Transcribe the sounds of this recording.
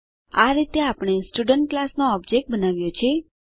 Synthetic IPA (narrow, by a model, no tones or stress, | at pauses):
aɾit̪eapəɽ̃esʈuɖəɳʈ̚klasnoɔb̚d͡ʒek̚ʈ̚bənaʋjot͡ʃʰe